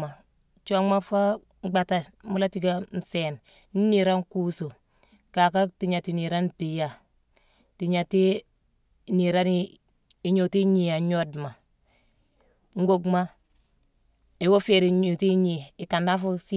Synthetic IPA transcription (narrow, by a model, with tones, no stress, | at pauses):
ma˨ | t͡ʃo˦ŋma˦fa˦ | ɡ͡ba˨ta˨mu˦la˦ti˦ɡa˦n̩˨se˨n | ni˦ni˨ɾa˦nku˦so˨ | ka˨ka˦ti˨ɲa˨ti˨ni˨ɾa˦nti˨ja˦˨ | ti˨ɲa˨ti˦ | ni˨ɾa˦n | i˨ɲo˨ti˦ɲi˨a˨ɲo˦dma˨ | ŋ˦ɡo˦ɡma˦ | e˨wo˦fe˨ɾi˨ɲu˨ti˦ɲi˨i˨ka˨nda˦fo˦si˦